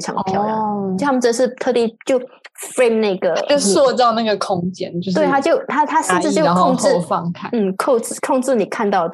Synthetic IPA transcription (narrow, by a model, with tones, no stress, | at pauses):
ʈ͡ʂʰɑ̰˨˥˧pʰjɑ˥˨˩ʊt̪ʰa˥m˨˩ʈ͡ʂd̪ə˧ʂɻ̩˥˩t̪ʰɤ˥˧˩t̪i˥˧˩t͡ɕjo˥˩ʊfɹe˥˧ɪmna˥˩ɪɡə˩o˥˧swɔ˥˧t̪ɑ˥˧ʊna˥˩ɡə˩kʰʊ˥ŋt͡ɕjɛ˦˥nt͡ɕjo˥˧t̪we˥˩a˥t͡ɕjo˥˨ʊt̪ʰa˥t̪ʰa˥ʂə˥˧nʈ͡ʂɻ̩˥˧t͡ɕjo˥˧kʰŋt͡sɹfɑ˥˧ŋkʰa˥˩n̩˥˩kʰo˥˧ʊt͡sɻ̩˥˩kʰo˥˧ŋʈ͡ʂɻ̩˥˩ni˨˩kʰa˥˧nt̪ɑ˥˩ʊd̪ə